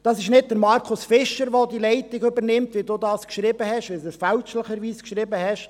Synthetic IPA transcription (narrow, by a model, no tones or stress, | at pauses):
d̥ɑsɪʃnɪd̚d̥əɾmɑɾkʰʊsfɪʃəɾʋodilɛɪtɪɡɵbəɾnɪmt̪ʋiduːdɑːskʃɾɪbəhɛʃʋɪdufælʃləχəɾʋiːskʃɾɪbəhɛʃ